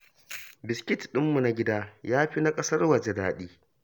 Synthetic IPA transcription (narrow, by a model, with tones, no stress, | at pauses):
bɪ˨skʲɪ˦tɗɪ˦mːu˨na˦ɡʲɪ˦daː˦jaː˦ɸi˦na˦kʼɐ˦sɐ˦rwɐ˨d͡ʒɛ˦daː˨ɗiː˦